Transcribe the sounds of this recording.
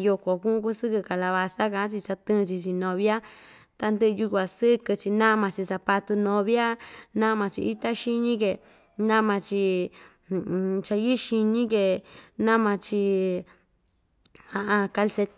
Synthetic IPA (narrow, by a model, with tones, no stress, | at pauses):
jo˧ko˨kũ˦ʔũ˦k̬u˦sɨ˦kɨ˧ka˨la˧βa˧sa˦kã˧ʔt͡ʃi˧t͡ʃa˧t̪ɨ̃˦˧t͡ʃi˧t͡ʃi˧nõ˧βja˦ | t̪a˧nd̪ɨ˦ʔju˧kʷa˨sɨ˦kɨ˧t͡ʃi˧nã˦˧mã˧t͡ʃi˧sa˧pa˧t̪u˧nõ˧βja˦nã˦˧mã˧t͡ʃḭ˧ʔi˦t̪a˦ʃi˧ɲĩ˦ke˧ | nã˦mã˧t͡ʃi˧˨ | t͡ʃa˧ji˦ʃi˧nĩ˦ke˧nã˦mã˧t͡ʃi˧ | hã˧ʔã˧ka˧lse˧